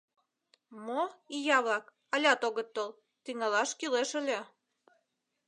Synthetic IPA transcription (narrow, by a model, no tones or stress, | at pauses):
moijɑβlɑk | ɑlʲɑt̪oɣə̆t̪ːol | t̪iŋɑlɑʃkileʃə̆lʲe